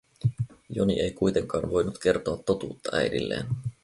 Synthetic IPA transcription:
jo̞nḭʔe̞jkujt̪e̞ŋkɑːnʋo̞jnut̪ke̞rt̪o̞ɑt̪ːo̞t̪uːt̪ːɑʔæ̰jdḭlːe̞̰ːn

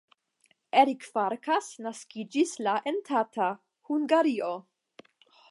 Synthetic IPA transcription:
eɾikfaɾkasnaskid͡ʒislaʔentʰatʰa | huŋɡaɾio̞

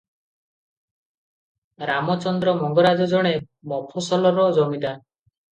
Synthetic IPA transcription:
ɾamɔt͡ʃɔnd̪ɾɔmɔŋɡɔɾad͡ʒɔd͡ʒɔɽ̃e | mɔpʰɔsɔlɔɾɔd͡ʒɔmid̪a

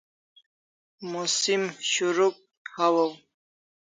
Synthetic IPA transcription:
musimɕuɾuk̚ | hawəw

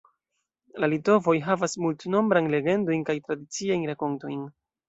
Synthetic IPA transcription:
lalito̞vo̞jɦavasmultno̞mbɾajnle̞ɡe̞ndo̞jnkajtɾadit͡siajnɾako̞nto̞jn

